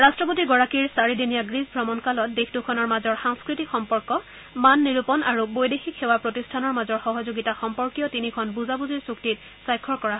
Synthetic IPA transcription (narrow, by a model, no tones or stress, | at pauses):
ɹastɹɔp̬otiɡɔɹakiɹsaɹidinijaɡɹizbʱɹɔmɔnkalɔt̚dexʰdukʰɔnɔɹmazɔɹxaŋskɹitikxɔmpɔɹkɔ | manːiɹupɔnaɹubojdexikxewapɹotistʰanɔɹmazɔɹxɔɦɔzoɡitaxɔmpɔɹkijɔtinikʰɔnbuzabuziɹsuktit̚ | sajkʰɔɹkɔɹaɦɔ